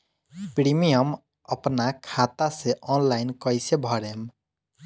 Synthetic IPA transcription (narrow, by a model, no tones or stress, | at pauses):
pɾimijʌm | ʌpnakʰat̪aseʔɔnlajnkʌjsebʱʌɾem